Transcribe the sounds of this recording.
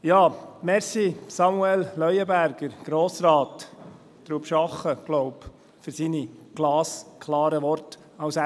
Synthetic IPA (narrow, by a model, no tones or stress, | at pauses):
jɑːmɛɾsisɑmuɛllœʏəbæɾɡ̥əɾɡ̥ɾoːsɾɑːt | d̥̪ɾupʃɑχːəɡ̥lɔwp | fʏɾsiniɡ̥lɑːskʰlɑːɾəʋɔɾt | ɑwsæ